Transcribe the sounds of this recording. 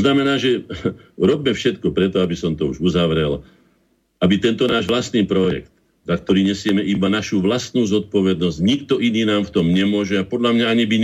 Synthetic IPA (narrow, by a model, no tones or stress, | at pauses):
znamɛnaːʒɛ | ɾɔbmɛfʃɛt̪kɔpɾɛt̪ɔabisɔmt̪ɔuʒuzaʋɾɛl | abit̪ɛnt̪ɔnaːʒʋlast̪niːpɾɔjɛ̰kt̪̚ | zak̚t̪ɔɾiːɲɛsɪɛmɛʔibanaʃuːʋlast̪nuːzɔt̪̚pɔʋɛd̪nɔzɟɲikt̪ɔʔiniːnaːmft̪ɔmɲɛmʊɔʒɛapɔd̪ʎamɲaaɲibiɲ